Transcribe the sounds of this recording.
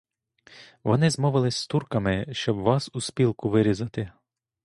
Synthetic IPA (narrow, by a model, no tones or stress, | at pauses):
ʋɔnɪzmɔʋɪlˠɪsʲt̪urkɐmɪʃt͡ʃɔbʋɑsuspʲilˠkʊʋɪɾʲizɐt̪ɪ